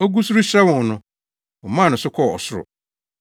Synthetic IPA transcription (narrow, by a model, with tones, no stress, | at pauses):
o˦ɡu˦su˦ɾu˦ɕɛ˦wʊ̃˨n˨nʊ̃˨ | ʊ˨mã˦˨nʊ̃˨sʊ˦kʰɔ˦˨ɔ̰˨sʊ˦ɾʊ̰˨